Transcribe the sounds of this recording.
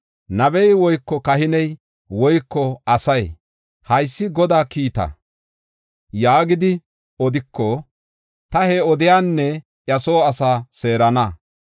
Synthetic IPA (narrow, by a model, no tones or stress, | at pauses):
nɐbɛjwɔjkːɔkɐɦɪnɛj | wɔjkːɔɐsɐj | hɐjsːɪɡɔd̪aːkiːt̪ɐ̰ | jaːɡɪd̪ɪ | ɔd̪ɪkʰːɔ | t̪ɐheːɔd̪ɪjaːnːɛ | ʔjɐso̞ːɐsaːse̞ːɾɐnɐ